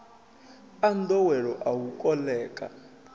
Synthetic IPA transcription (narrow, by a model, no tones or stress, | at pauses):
andɔwɛɺɔʔawukʼɔlɛːkʼa̰